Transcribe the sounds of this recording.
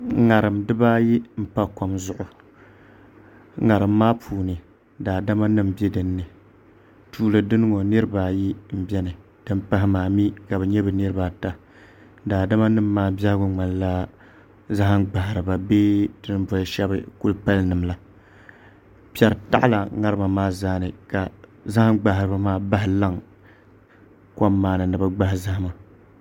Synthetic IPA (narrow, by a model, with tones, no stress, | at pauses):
ŋa˨ɾɨ˨mdɨ˦baː˦ji˦m̩˦pa˦ko˨mzʊ˨ʔʊ˨ | ŋa˨ɾɨ˨mːaː˦pʰuː˨nɨ˨ | daː˨da˦ma˦nɨ˦m˨bɛ˦dɨ˨nːɨ˨ | tʰuː˦lɨ˨dɨ˦nɨ˦ŋo˨nɨ˦ɾɨ˦baː˨ji˦m̩˦bɛ˦nɨ˨ | d̥ɨ˦mpa˦ɦɪ˦maː˨mi˦ka˨bɨ˨ɲɛ˦bɨ˨nɨ˦ɾɨ˦baː˨ta˦ | daː˨da˦ma˦nɨ˦mː˦aː˦bja˦hɡʊ˦ŋ͡ma˨n˦la˦ | za˦ɦa˦ŋɡ͡ba˨ɦɪ˨ɾɨ˨ba˨beː˦dɨ˦n˦bɔ˨lʃɛ˦bɨ˦ku˦lpa˦lnɨ˨mla˦ | pɛ˨ɾɨ˨ta̰˦ʔla˨ŋa˦ɾɨ˦ma˨maː˦zaː˦nɨ˨ka˨za˦ha˦ɡ͡ba˨hɪ˨ɾɨ˨ba˨maː˦ba˦ɦɪ˨la˦ŋ | ka˦mːaː˨nɨ˨nɨ˨ba˦ɡ͡ba˦hɪ˦za˦ha˦ma˨